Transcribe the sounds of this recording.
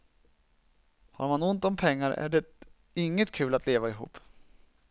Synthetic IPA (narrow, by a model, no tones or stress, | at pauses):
ha̰ɾmanʊnt̪ɔmpʰɛŋːaɾæ̰ɖɛ | ɪŋːət̪kʰʉ̟ːlat̪ʰleːvaɪɦṵːpː